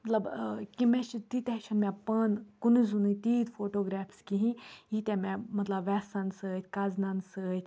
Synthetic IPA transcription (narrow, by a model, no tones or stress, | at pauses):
mɐt̪lɐbkimẽt͡ʃʰit̪it̪ɛʃʰɐnmʲɛ̃pɐnkunizunit̪iːt̪pʰoːʈoːɡɾɛːfskiɦĩit̪ɛmɛ̃mɐt̪lɐbʋɛːsɐnsəːt̪ʰkaːznɐnsəːt̪ʰʲ